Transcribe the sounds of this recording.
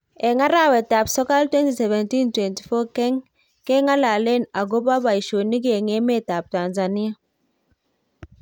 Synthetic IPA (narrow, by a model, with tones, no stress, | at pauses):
ɛ˨ŋa˦ɾa˦˨wɛ˨ta˨psɔ˦ka˦ltwɛ˦nti˨sɛ˨vɛ˨nti˦ntwɛ˨nti̥˨fɔ˦kɛ˦ŋ | kɛ˦ŋa˦la˨le˦˨na˨ɡo˦pa˦ba˨i˨ʃo˨ni˦ɡe˨ŋe˦mɛ˦˨ta˨p̚ta˨nza˨ni˦a˨